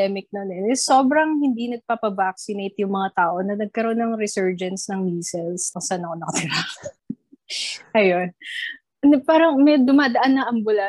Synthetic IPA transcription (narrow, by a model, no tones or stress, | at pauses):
ɛmɪk̚nonɛnɛso̞ːbɾɐŋhɪnd̪inɐɡ̚pɐpɐvak̚sɪnejt̪jʊŋmɐŋat̪aːʔo̞nɐnɐɡ̚kɐɾo̞onːɐŋɾɪsɛɹd͡ʒɐnsnɐŋmiːsɛlskʊŋsaanɐkonɐkɐt̪ɪɾa | ʔɐjon | paːɾɐŋmɐd̪ʊmaːd̪ɐʔanːɐʔɐmbʊla